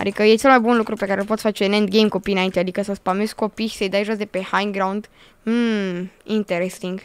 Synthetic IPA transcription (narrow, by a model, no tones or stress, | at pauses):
a̰d̪ikəje̞t͡ʃe̞lmajbunlukɾupe̞kaɾelpot̪sfat͡ʃe̞nent̪̚ɡejmko̞pijɨnaint̪ead̪ikəsəspamesko̞piʃi̥səjd̪ajʒoasd̪epe̞hajnɡɾaund̪ | m̩ | int̪eɾest̪iŋɡ